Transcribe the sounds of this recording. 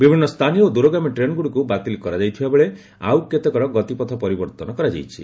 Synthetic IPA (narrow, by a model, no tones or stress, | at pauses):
bibʱinːɔst̪ʰanijɔod̪uɾoɡamiʈɾenɡuɽikubat̪ilkɔɾad͡ʒajt̪ʰibabeɭe | a̰wket̪ekɔɾɔɡɔt̪ipɔt̪ʰɔpɔɾibɔɾt̪ɔnɔkɔɾad͡ʒa̰jt͡ʃʰḭ